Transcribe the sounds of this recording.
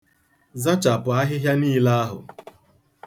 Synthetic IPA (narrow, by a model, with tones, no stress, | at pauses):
za˦t͡ʃa˨pʊ˨a˦ɦɪ˦ɦja˦niː˦la˦a˦ɦʊ̰˨